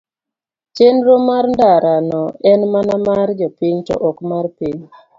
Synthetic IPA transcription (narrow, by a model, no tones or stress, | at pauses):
t͡ʃenɾomarndaɾanɔɛnmanamaɾd͡ʒɔpiɲtɔ̰ʔɔkmarpiɲ